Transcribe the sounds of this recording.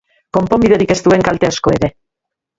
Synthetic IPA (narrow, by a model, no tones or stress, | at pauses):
ko̞mpo̞mbiðe̞ɾike̞st̪ue̞ŋkalt̪easko̞e̞ɾe̞